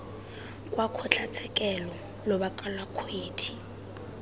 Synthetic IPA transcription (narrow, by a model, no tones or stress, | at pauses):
kʼwakʰɔt͡ɬʰat͡sʰɛkʼɛlɔ | lɔbakʼalwakʰweːtʰi̥